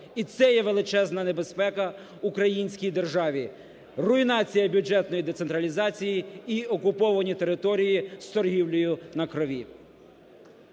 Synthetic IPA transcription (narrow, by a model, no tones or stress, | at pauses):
it̪sɛjɛʋe̞lˠɪt͡ʃɛznɐnebe̞spɛkɐ | ukɾɐjinʲsʲkʲijd̪e̞rʒɑʋʲi | rʊinɑt͡sʲijɐbʲʊd͡ʒɛt̪nɔjid̪et̪sent̪ɾɐlʲizɑt͡sʲijiiɔkʊpɔʋɐnʲit̪e̞ɾɪt̪ɔɾʲijist̪ɔrɦʲiwlʲʊjʊnɐkɾɔʋʲi